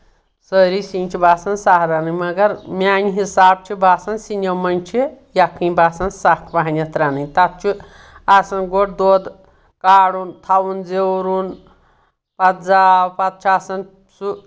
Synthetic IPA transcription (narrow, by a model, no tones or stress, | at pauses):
səɾisint͡ʃʰibaːsɐnsaɦɾanɨmɐɡɐɾmʲanʲiɦisaːb̚t͡ʃʰibaːsɐnsinɐwmɐnʲt͡ʃʰijakʰĩbaːsɐnsakʰbaɦanʲɐt̪ɾanɨt̪at̪̚t͡ʃʰi | asɐnɡoʈ̚d̪od̪ | kaːɽunt̪ʰawund͡zeɾun | pɐt̪d͡zaːwpɐt̪̚t͡ʃʰaːsɐn | su